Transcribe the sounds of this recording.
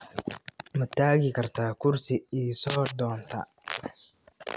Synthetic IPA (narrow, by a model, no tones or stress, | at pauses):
mɐt̪ʰaːɣɪkʰɐrt̪ʰaːkʰʊrsɪisɔːd̪ɔːnt̪ʰɐ̰